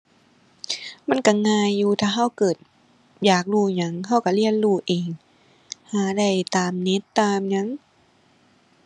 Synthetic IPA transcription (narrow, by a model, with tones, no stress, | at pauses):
ma˧˥˨nka˧˩ŋaː˧jːuː˧t̪ʰaː˧ɦa˧˥˩wkɤː˨˩t̪̚ | jaː˨˩k̚luː˧˩ɲa˧˦ŋha˧˥˩wka˧˩li˧˩ənluː˧˩ʔeː˨ŋ | haː˨˧˦da˧˩jt̪aː˨mne˧˦˥t̪ːaː˧mɲa˧˥ŋ